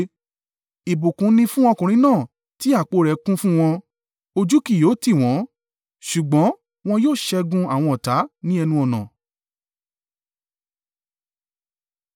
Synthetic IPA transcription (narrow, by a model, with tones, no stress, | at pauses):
i˨bu˨kũ˨˦nĩ˧fũ˦ɔ˧kũ˨ɾ̃ĩ˨˦nãː˦˨ | ti˦a˦˨k͡po˧ɾɛ˨˦kũ˦fũ˦w̃ɔ̃˧ | o˧d͡ʒu˦ki˦˨joː˨˦ti˦˨w̃ɔ̃˨˦ | ʃu˨ɡ͡bɔ̃˨˦ | w̃ɔ̃˧joː˦˨ʃɛ˧ɡũ˧a˨w̃ɔ̃˧ɔ˨ta˨˦nĩ˦ɛ˧nũ˧ɔ˨nã̰˨